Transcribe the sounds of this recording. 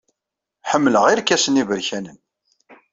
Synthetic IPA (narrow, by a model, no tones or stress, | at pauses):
ħəmːləʁiɾkːæsənivəɾçænən